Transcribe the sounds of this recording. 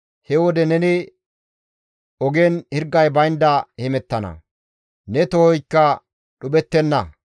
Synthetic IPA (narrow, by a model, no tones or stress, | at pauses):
hɛwɔd̪ɛnɛnɪ | ɔɡenhɪɾɡːɐjbɐjnd̪ɐhɛmɛt̪ːɐnɐ̰ | nɛt̪ɔhɔjkːɐ | ɗʊbɛt̪ːɛnːɐ